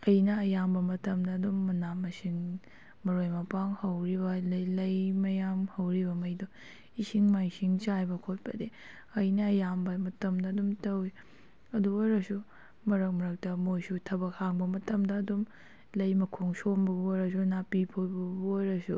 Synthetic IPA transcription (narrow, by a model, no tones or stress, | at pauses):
ɐjnɐːjambɐmɐtɐmdɐːdumːɐnamɐsiŋ | mɐɾojmɐpaŋhɐwɾibɐlɐlɐjmɐjamhɐwɾibɐmɐjdo | isiŋmajsiŋt͡ʃajbɐkʰot̚pɐ̰de | ɐjnɐːjambɐmɐtɐmdɐːdumtɐwi | ɐduojɾɐsu | mɐɾɐk̚mɐɾɐk̚tɐmojsutʰɐbɐk̚haŋbɐmɐtɐmdɐːdum | lɐjmɐkʰoŋsonbɐbuojɾɐs̬unapipʰojbɐbuojɾɐsu